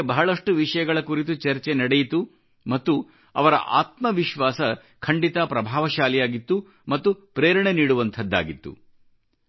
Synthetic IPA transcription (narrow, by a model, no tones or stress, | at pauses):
bɐɦɐɭɐʂʈuʋiʂɐjɐɡɐɭɐkuɾit̪̬ut͡ʃɐɾt͡ʃenɐɽejit̪u | mɐt̪ːu | ɐ̰ʋɐɾɐ̰ʔa̰ːt̪mɐʋiʃʋaːsɐ | kʰɐɳɖit̪ɐpɾɐbʱaːʋɐʃaːlijaːɡit̪ːu | mɐt̪ːupɾeːɾɐɳeniːɽuʋɐnt̪ʰɐd̪ːa̰ːɡit̪ːṵ